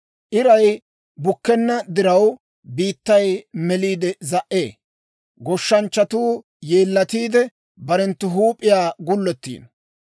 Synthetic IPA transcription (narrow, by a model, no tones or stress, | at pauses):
ʔɪɾɐj | bʊkːɛnːɐd̪ɪɾɐw | biːt̪ːɐjmɛliːd̪ɛzɐʔːḛː | ɡɔʃːɐnt͡ʃːɐt̪uː | jeːlːɐt̪iːd̪ɛ | bɐɾɛnt̪ːʊɦuːpʼːɪjaːɡʊlːɛt̪ːḭːn